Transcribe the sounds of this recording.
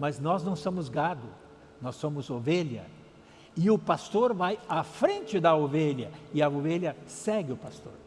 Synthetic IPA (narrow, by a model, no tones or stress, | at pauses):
mɐznɔznɐ̃w̃sõmʊzɡad̪ʊ | nɔsːõmʊzoveʎɐ̰ | ɪʊpast̪oɾvajafɾẽnt͡ʃɪd̪ɐoveʎɐɪɐoveʎɐsɛɡɪʊpast̪o̰ɾ